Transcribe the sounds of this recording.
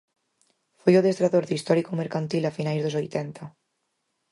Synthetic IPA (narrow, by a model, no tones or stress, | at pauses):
fojoðest̪ɾaðoɾðist̪ɔɾikomeɾkant̪ilafinajzðosojt̪ɛnt̪a